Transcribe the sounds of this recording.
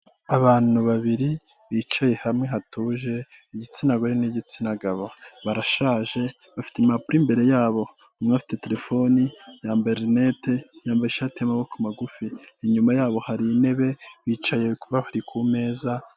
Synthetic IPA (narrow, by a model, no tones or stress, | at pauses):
aβaːn̥uβaβiɾi | βiːt͡ʃaje̞hamŋeɦatuːʒe̞ | iɟit͡sinaɡoɾeniɟit͡sinaɡaβoβaɾaʃaːʒe̞ | βafi̥temapuɾimbe̞ɾe̞jaːβo̞ | umŋafi̥tete̞ɾe̞fo̞nijaːmbeɾnetejaːmbajeʃatmaβokumaɡufiːɲumajaːβo̞haɾine̞βe̞βiːt͡ʃaje̞kuβahaɾikʰume̞ːza